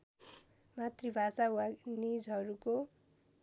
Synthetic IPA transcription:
mat̪ribʱasawanid͡zɦʌɾuko

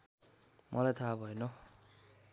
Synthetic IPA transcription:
mʔʌlajt̪ʰabʱʌjnʌ

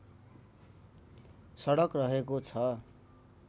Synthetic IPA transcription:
sʌɽʌkrʌɦekot͡sʰʌ

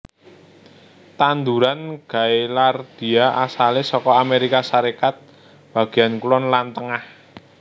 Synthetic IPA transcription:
t̪and̪uɾanɡ̥a̤jlard̪̥i̤aasalɪsɔkɔameɾikasaɾekat̪̚ | b̥a̤ɡ̥i̤jankulɔnlant̪əŋah

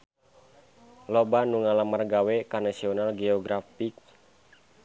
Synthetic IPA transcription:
lobanuŋalamːərɡawekanasiɔnalɡeɔɡɾafik̚

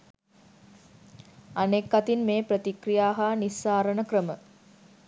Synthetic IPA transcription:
anekːat̪inmeːprət̪ikrijaːɦaːnisːaːɾənəkrəmə

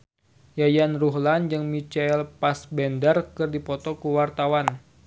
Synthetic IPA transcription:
jajanruɦland͡ʒɨŋmit͡ʃalpasbɛndərkɨrdipɔt̪ɔkuwart̪awan

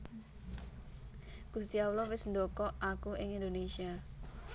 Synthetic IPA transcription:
ɡ̥ust̪iawlɔwɪsɳdokɔʔakuʔɪŋind̪onesia

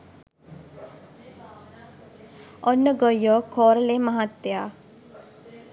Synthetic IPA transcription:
ɔnːəɡəjːokʰɔːɾəleːmɐɦat̪ːjaː

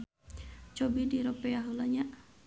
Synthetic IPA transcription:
t͡ʃɔbidiɾɔpɛaɦulaɲa

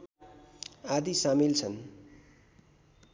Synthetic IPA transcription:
ad̪isamilt͡sʰʌn

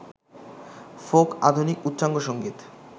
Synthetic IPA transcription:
foka̰d̪ʱunikut̪ːt͡ɕaŋɡoʃoŋɡit̪

